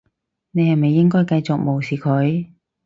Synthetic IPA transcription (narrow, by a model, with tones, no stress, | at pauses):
ne˨˧jhɐ˨jme˨jːɪ˥ŋkɔː˥jkɐ˧jt͡sʊ˨k̚mo˨wsiː˨kʰɵ˨˥ɥ